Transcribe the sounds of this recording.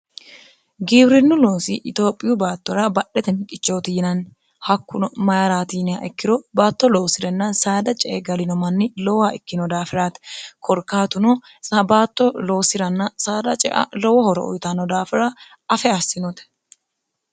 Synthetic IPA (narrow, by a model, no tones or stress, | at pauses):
ɡiːbɾɪnːʊlo̞ːsiʔɪt̪o̞ːpʼːɪjʊbaːt̪ːɔɾɐbɐɗɛt̪ɛnkʼɪt͡ʃːo̞ːt̪ɪɪnɐn | hɐkːʊnɔmɐjaɾaːt̪iːnɪaʔɛkːɪɾɔbaːt̪ːɔlo̞ːsɪɾɛnːɐsaːd̪ɐt͡ʃʼɛʔɡɐlɪnɔmɐnːɪlɔwaɪkːɪnɔd̪aːfɪɾaːt̪ɛkʰɔɾkːaːt̪ʊnɔ | sɐbaːt̪ːɔlo̞ːsɪɾɐnːɐsaːd̪ɐt͡ʃʼɛ̰ʔɐ̰lɔwɐhɔɾɔɔ̰jt̪anɔd̪aːfɪɾa | ɐfɛɐsːɪnɔt̪ɛ̥